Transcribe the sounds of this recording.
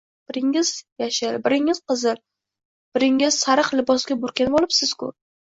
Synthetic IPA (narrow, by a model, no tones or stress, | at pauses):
b̥ɪɾɪŋɪz̥jaʃɪɾbɪɾɪŋɪz̥qɨzɪɾ | b̥ɪɾɪŋɪz̥saɾɨχlɪbɒsɡʲabʊɾkʲanbolˠɪpsɪz̥kʰʊ̰ɾ